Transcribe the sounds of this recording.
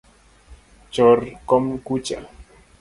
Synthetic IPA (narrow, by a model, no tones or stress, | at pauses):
t͡ʃɔrkɔmkut͡ʃa